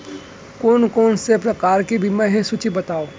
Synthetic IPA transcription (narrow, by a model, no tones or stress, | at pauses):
koːnkoːnsepɾɐkaːɾkibʱimɛ̃ɦisʊt͡ʃibɐt̪aːoː